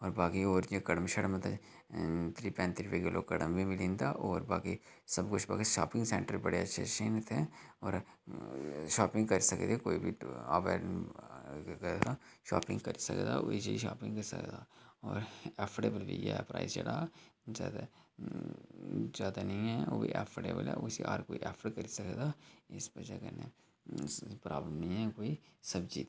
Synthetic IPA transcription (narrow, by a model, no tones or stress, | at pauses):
ɔːɾbaːkioːɾekəɽəmʃəɽmət̪a | t̪ʰɾiːpɛ̃ːnt̪ɾipeɡeloːkəɽəmbʱimɪlĩːnd̪a̰ːʔoːɾbaːki | səbkʊt͡ʃʰba̰ːkiʃaːpɪ̃ŋɡsɛ̰̃ːɳʈəɾbəɽeɐtːʃʰḛʃeːnt̪ʰɛ̃ːɔːɾ | ʃaːpɪ̃ŋɡkəɾisəkd̪ekoːibʱiaːʋɛ̰ːɖ | ɾɡaʃaːpɪ̃ŋɡkɐɾisɐ̰kd̪aʊiseiʃaːpɪ̃ŋɡkɐɾsə̰kd̪aːɔːɾɛːpʰʈeːbəlbʱḭjepɾa̰ːist͡ʃɐɽaːzjaːd̪a | zjaːd̪anɐɦĩɦɛoːbʱḭʔɛːpʰəʈḛːbəlɦɛ̰ʊsiʔaːɾkoːiʔɛːpʰəɽkɐɾisəkd̪aːɪsbɐd͡ʒakəne | pɾaːbləmnɐɦĩɦɛkoːisɐbd͡ʒiːt̪